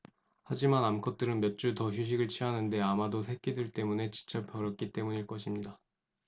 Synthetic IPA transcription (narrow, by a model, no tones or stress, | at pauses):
had͡ʑimanamkʰʌt̚t͈ɯɾɯnmjʌt̚t͡ɕ͈utʌçjuɕ̬ʰiɡɯɭt͡ɕʰianɯnde̞amadosʰe̞k͈ʰːidɯɭt͈e̞mune̞t͡ɕi̥t͡ɕʰʌp͈jʌɾʌk͈it͈e̞muɲiɭk͈ʌɕʰimɲida